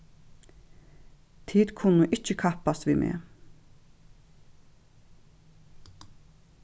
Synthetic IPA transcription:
t̪ʰiːt̪kʰʊnːʊʔɪt͡ʃːəkʰahpast̪ʋimʔḛː

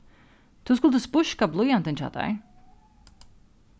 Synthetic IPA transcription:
t̪uuskulˠt̪ɨspuʃkablˠujant̪ɛnʲt͡ʃa̰ːt̪a̰j

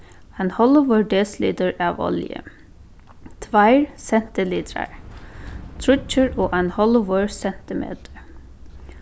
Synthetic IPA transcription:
anhɔlʊʋøːɹɖeːslḭːd̪əɹaːʋɔ̰ljə̰ | t̪ʰʋaɪɹsɛn̥t̪ɪliːd̪ɾa̰ɹ | t̪ʰɾʊt͡ʃəɹoːʔaɪnhɔlʊʋøɹsɛn̥t̪ɪmḛːt̪ə̥ɹ

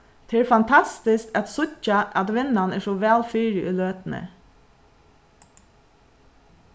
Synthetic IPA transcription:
t̪ʰɪɾfɑnt̪ʰɑst̪ɪskt̪ɑt̪sʊçɑʔɑt̪ʋɪnɑnæːʃoːʋæːlfyːɾɪʔʉːløːt̪n̩ə̰

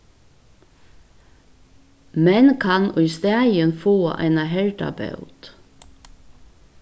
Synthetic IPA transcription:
mɛnkʰɑnʊʏst̪æːɪənfoːʔæ̰ɪnɑhɛlʈɑ̰bɑ̰ʉt̪

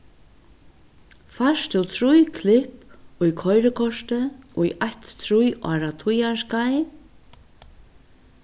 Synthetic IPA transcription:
fḁst̪ɪwt̪ʰɾujkʰlɪhpujkʰɔjɾəkʰɔʂt̪əɔḭʔajt̪ːʰɾujʔɔ̰ːɾat̪ʰujaɹskaj

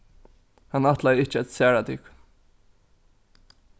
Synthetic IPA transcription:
hanaht̪lajɪht͡ʃɪæt̪sæːɹat̪ɪk

